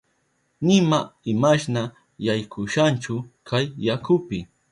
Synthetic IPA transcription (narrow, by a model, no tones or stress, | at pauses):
nɪmaɪmaʃna | jajkʰʊʃant͡ʃʊkʰajːakʊpɪ